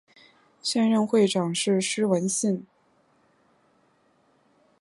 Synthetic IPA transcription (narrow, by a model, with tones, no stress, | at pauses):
ɕjɛ˥˧nɻə˥˧nxwe˥˩ɪʈ͡ʂɑ˨˩ŋʂɻ̩˥˩ʂɻ̩˥wə˧˥nɕi˥˩n